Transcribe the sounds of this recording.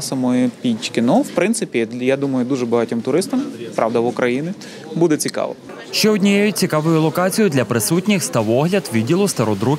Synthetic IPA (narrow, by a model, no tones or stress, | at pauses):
sɐmɔjipʲit͡ʃkɪnɔwpɾɪnsɪpʲijad̪umɐjʊd̪uʒɛbɐɦɑtʲɔmt̪ʊɾɪst̪ɐmpɾʔɑʋd̪ɐʋʊkɾʔɐjinʲɪ | bud̪ɛt͡sʲikɑ̰ʋɐ̰ | ʃt͡ʃɛɔdʲnʲijɛjʊt̚ʲt͡sʲikɑʋʊjʊlˠɔkɑt͡sʲijʊd̪lʲɐpɾɪsutʲnʲɪxst̪ɐʋɔɦlʲɐd̪ʋʲidʲilˠʊst̪ɐɾɔd̪ɾu